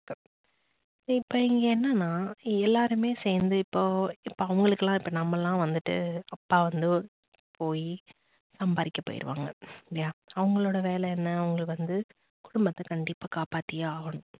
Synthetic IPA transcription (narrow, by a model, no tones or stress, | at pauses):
okːe | sɪpːoɪŋɡɐɛnːɐnːaːɛlːaːɾɯmeːseːɾnd̪ɯɪpːoːɪpːoːɐʋɐŋɡɐɭɯkːɐlːãːɪpːɐnɐmːɐlːãːʋɐnd̪ɯʈːɯ̰ɐpːaːʋɐnd̪ɯ | poːji | sɐmbaːɾɪkʲːɐpːo̰ːjɪ̰ɾɯ̰ʋa̰ːŋɡɐljaːɐʋɐŋɡɐɭoːɽɐʋeːlɛɛnːɐːʋɐŋɡɐɭʋɐnd̪ɯ | kʊɽʊmbɐt̪ːɐkɐɳɖɪpːaːkaːpaːʈːɪjaːʋɐɳʊ̃